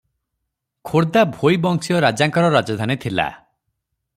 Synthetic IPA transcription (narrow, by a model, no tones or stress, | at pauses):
kʰoɾd̪abʱojbɔŋsiɔɾad͡ʒaŋkɔɾɔɾad͡ʒɔd̪ʱanit̪ʰila̰